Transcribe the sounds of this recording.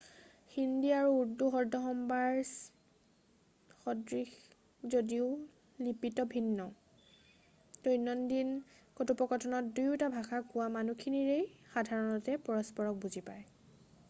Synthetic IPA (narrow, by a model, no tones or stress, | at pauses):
xindiaɹuːɹduxɔɹdʱɔxɔmbaɹs | xɔdɹix | zodiʊ | lipitɔbʱinːɔ | tojnɔndinkotupɔkɔtʰɔnɔt̚dujʊtabʱaxakʊwamanukʰiniɹejxadʱaɹɔnɔtɛpɔɹɔspɔɹɔk̚buzipaj